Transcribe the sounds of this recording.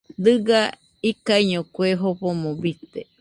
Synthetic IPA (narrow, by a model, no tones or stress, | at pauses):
d̪ɨɡa | ikaiɲõkweɦopomõbit̪e